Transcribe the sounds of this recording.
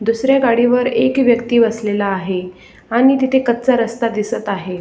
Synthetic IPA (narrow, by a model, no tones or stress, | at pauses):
d̪usɾjaɡaɽiʋəɾekʋjəkt̪iːbəslelaːɦe | aɽ̃it̪it̪ʰekət̪̚t͡saɾəst̪ad̪isət̪aɦe